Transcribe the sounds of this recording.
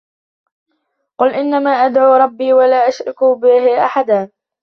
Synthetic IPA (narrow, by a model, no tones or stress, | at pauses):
qʊlʔɪnːamaːʔad̪ʕuːɾˤɑbːiːwalaːʔaʃɾˤɪkubɪhɪʔa̰ħad̪aː